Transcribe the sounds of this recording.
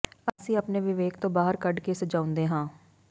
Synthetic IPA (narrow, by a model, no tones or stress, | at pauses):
əsĩːəpneːʋɪʋeːkt̪õːbaːɦəɾkəɖkesəd͡ʒaːʊ̃nd̪eːɦãː